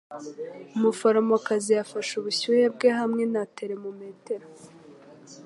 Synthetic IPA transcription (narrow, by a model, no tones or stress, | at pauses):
umufoɾamokaziafaʃuβuɕujeb̚ɡehamŋe̞nateɾemume̞te̞ɾo